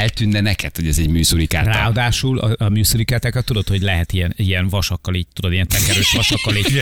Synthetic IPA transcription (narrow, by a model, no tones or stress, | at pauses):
ɛlt̪ynːɛnɛkɛt̪ho̞ɟɛzɛɟmyːsuɾika̰ːtraːɒd̪aːʃulɒ̰ɒmyːsuɾikaːt̪akɛt̪ːud̪o̞t̪ho̞ɟlɛɦɛt̪ijɛnijɛnvɒʃɒkːɒliːɟt̪ud̪o̞d̪ijɛnt̪ɛɾkɛɾøːʃʋɒʃɒkːɒliː